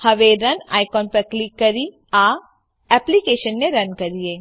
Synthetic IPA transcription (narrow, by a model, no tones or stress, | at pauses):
hɐʋeɾɐna̰ːɪjkɔːnpɐɾklɪkːɐɾi | aː | ɛːplikeːʃənːẽɾɐnkɐɾieː